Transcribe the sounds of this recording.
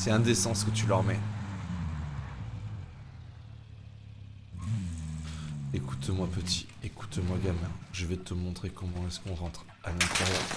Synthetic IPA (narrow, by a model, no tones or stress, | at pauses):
sɛɛ̃d̪esɑ̃skət̪ylœʁmɛ | ekut̪mwapət̪i̥ | eku̥t̪mwaɡamɛ̃ʒəvɛt̪əmɔ̃t̪χekɔmɑ̃ɛskɔ̃ʁɑ̃t̪χ | alɛ̃t̪ɛʁjœːʁ